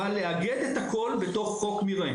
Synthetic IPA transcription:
aleaɡed̪et̪hako̞lbet̪o̞χːo̞kmiʁe

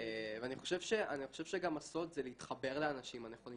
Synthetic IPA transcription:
eveaniχo̞ʃe̞vʃeʔaniχo̞ʃe̞vʃeɡamaso̞t̪zeleitχabe̞ʁleanaʃimaneχoli

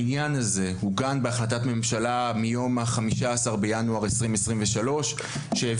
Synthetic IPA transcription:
injanaze̞huɡanbeaχlat̪̬atme̞mʃalamijo̞maχamiʃaːsaʁbejanuaʁesʁimesʁimveʃalo̞ʃ | ʃeev

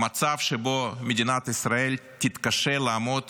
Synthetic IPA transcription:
mɐt̪safʂɨbomʲɪdʲɪnat̪ɪsɾɐɛlʲ | tʲɪt̪kɐʂɛlˠɐːmot̪

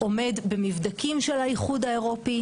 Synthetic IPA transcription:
ʔo̞me̞dbemivd̪akimʃelajiχud̪aeʁo̞pi

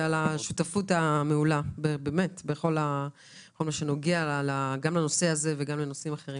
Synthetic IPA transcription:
alaʃutafutameulabebeme̞tbeχo̞la | χo̞lmaʃeno̞ɡealaɡamleno̞se̞aze̞veɡamleno̞simaχeʁi

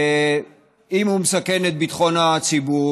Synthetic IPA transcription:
imhumesakenet̪̚bit̪χo̞nat͡sibu

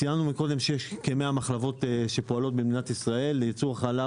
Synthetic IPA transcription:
ijanumiko̞d̪e̞mʃejeʃkemeamaχlavo̞tʃe̞poalo̞t̪̚biminat̪isʁae̞lːejit͡suʁaχala

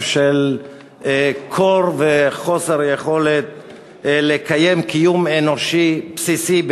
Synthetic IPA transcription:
ʃel | kʰoɾveχo̞seɾjeχo̞let̪̚ | lekajemkijumenoʃipsisib

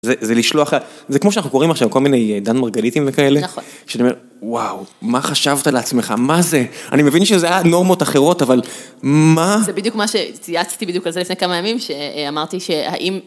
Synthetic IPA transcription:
zezeliʃloaχazekmoʃanaχnuko̞ʁimaχʃavko̞lminejd̪anmaʁɡalitimvekaele̞nχʃeaniome̞ | wawmaχaʃavt̪aleat͡smeχa̰mazea̰nimevinʃezeajano̞ʁmo̞taχe̞ʁo̞tavalmazebid̪jukmaʃet͡sijat͡st̪ibidjukalzelifnejkamajamimʃeamaʁt̪iʃe̞ha̰ʔim

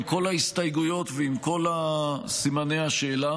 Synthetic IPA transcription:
mko̞laist̪ajɡujo̞t̪veimko̞lasimanehaʃeːla

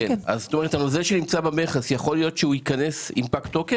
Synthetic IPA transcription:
ea̰zot̪o̞me̞et̪hanozelʃenimt͡sabameχasjaχo̞lijo̞tʃeuikɐne̞sḭmpakt̪o̞ke

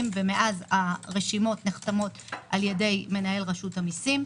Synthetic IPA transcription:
mvemeʔazaʁeʃimo̞tneχt̪amo̞tʔalje̞de̞jme̞nae̞lʁaʃutamisim

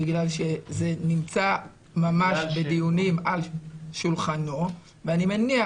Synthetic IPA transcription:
iɡlalʃe̞ze̞nimt͡sa | mamaʃbed̪ijunimalʃulχano̞ | veanimenia

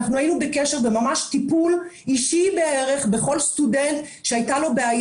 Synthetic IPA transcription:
χnuajinubekeʃe̞ʁvemamaʃtipuliʃibeeʁe̞χbe̞χo̞lst̪udent̪ʃeajtalobeaj

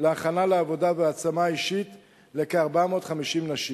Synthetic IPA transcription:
leaχanaleavo̞daveat͡samaiʃit | lekeaʁbamo̞tχamiʃimnaʃi

